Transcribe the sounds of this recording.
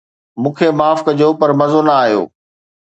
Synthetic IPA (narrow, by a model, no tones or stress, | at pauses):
mũːkʰemaːfkɐd͡ʑopɐɾmɐzonɐaːɦijo̰ː